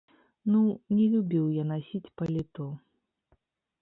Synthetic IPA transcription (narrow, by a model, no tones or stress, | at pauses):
nunʲɛlʲubʲiwjanasʲit͡sʲpɐlʲit̪ɔ